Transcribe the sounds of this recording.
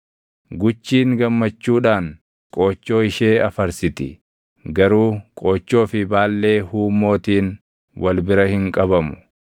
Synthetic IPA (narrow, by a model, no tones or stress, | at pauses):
ɡʊt͡ʃːiːŋɡɐmːɐt͡ʃːuːᶑaːŋ | kʼo̞ːt͡ʃːo̞ːɪʃeːɐfɐɾsɪt̪ɪ̰ | ɡɐɾuːkʼoːt͡ʃːo̞ːfɪbaːlːe̞ːhuːmːo̞ːt̪iːn | wɐlbɪɾɐhɪŋkʼɐbɐmʊ